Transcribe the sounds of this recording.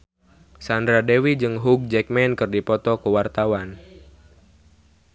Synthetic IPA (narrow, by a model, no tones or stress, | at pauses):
sandɾadewid͡ʒɨŋɦuɡ̚d͡ʒɛk̚mɛnkɨrdipɔt̪ɔkəwart̪awan